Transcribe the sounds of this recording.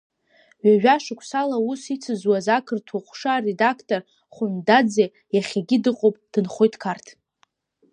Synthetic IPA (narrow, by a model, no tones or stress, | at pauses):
ɥaʒᶣaʂɨkʷʰʼsalausit͡sʰɨzwazakʰɨrtʰwaχʷʂaːre̞dakʰtʼor | χʷʊndad͡ze | jaχʲaɡʲɪdɨqʼowpʼd̥ɨnχʷojtʰkʰartʰ